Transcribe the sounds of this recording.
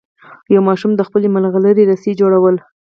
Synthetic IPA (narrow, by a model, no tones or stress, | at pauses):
jawmɑʃumd̪əxpəlemalɣaləɾeɾased͡ʒoɽawəl